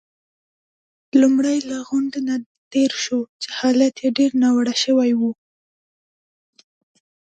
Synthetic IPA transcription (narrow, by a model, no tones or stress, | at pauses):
lumɽajlaɣʊɳɖena | t̪eɾʃot͡ʃe̥hɑlat̪jeɖeɾnawaɽaʃəwajwu